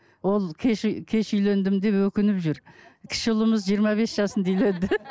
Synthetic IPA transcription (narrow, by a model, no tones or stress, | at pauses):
wo̞lˠkʲʰeʃkʲʰe̞ʃʏjlend̪ɪmd̪e̞pwɵkʲɪnɪpʒʏɾkʲʰɪ̥ʃɪʊlˠəməzʒijəɾmɑβe̞sʒ̥ɑsənd̪ijled̪ɪ